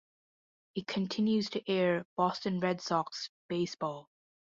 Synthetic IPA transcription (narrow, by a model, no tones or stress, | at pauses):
ɨt̚kʰɨ̃ntʰɪ̃njʉz̥tʰɨʔɛɹb̥ɔstɨ̃nɹɛdsɔksb̥eɪsb̥ɔlˠ